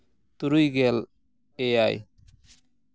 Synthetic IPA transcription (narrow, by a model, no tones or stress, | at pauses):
t̪uɾujɡɛl | ejaj